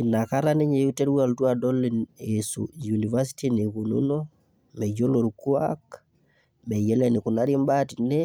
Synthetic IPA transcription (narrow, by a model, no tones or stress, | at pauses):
kinːakaɾaneɲejuteɾwualtuadolːinesṵjunivas̬i̥tinikunṵno | mɛd͡ʒoloɾkuak | mɛjɛlɛnikunaɾimbatinɛ